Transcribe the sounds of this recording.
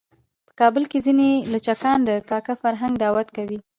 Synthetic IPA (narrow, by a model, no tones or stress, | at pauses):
pə̥kɑbəlkezinelat͡ʃakɑnd̪əkɑkafaɾɦaŋɡd̪awat̪kawi